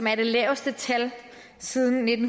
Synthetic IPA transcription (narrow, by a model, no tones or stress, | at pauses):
mæɐd̥e̝lɛːʊsd̥ət͡sʰæl | siːðˠn̩ːe̝d̥n̩